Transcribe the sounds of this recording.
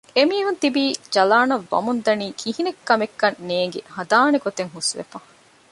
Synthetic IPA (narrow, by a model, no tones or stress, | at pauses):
emiːɦunt̪ibiːd͡ʒɐlaːnɐʋːɐ̰mund̪ɐniːkʰiɦinekːɐmekːɐnːeːŋɡḛhɐd̪aːneɡot̪eŋɦusʋḛfɐ